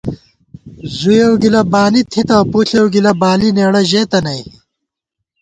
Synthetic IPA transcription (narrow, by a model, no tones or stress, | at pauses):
zujewɡilɐbaːnit̪ʰit̪ɐwpuːɬewɡilɐbaːlineːɽɐʑeːt̪ɐnɐj